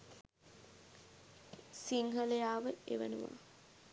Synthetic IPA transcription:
siŋɦəlejaːʋəḛʋə̰nṵʋa̰

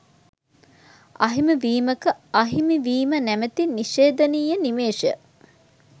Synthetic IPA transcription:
ɐ̰ɦimiʋiːməkəɐɦimiʋiːmənæmət̪iniʃeːd̪ɐniːjənimeːʂə̰

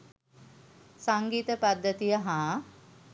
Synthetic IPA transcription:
saŋɡiːt̪əpad̪ːət̪ijəɦãː

